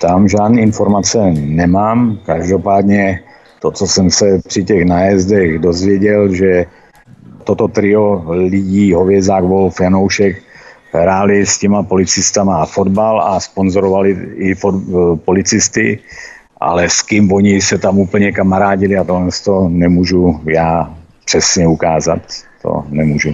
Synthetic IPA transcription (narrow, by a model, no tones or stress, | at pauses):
t̪amʒaːdnɛːinfoɾmat͡sɛnɛmaːmkaʒdo̞paːd̪ɲɛ | t̪ot͡sosɛmsɛpr̥ɪcɛɣnajɛzdɛɣdozvjɛɟɛlʒɛ | t̪ot̪ot̪ɾɪolɪɟiːɦovjɛzaːɡvolfjanowʃɛk | ɦɾaːlɪscɛmapo̞lɪt͡sɪst̪amafodbalaspo̞nzoɾovalɪɪfopo̞lɪt͡sɪst̪ɪ̰ | ʔa̰lɛskɪmvoɲɪsɛt̪amupl̩ɲɛkamaɾaːɟɪlɪat̪oɦlɛnst̪o̞nɛmuːʒujaː | pr̥ɛsɲɛukaːzat̪ː | o̰nɛmuːʒu